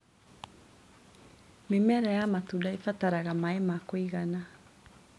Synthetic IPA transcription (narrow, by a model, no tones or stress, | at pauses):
memɛɾajamatudaifataɾaɣamaɛmakoiɣana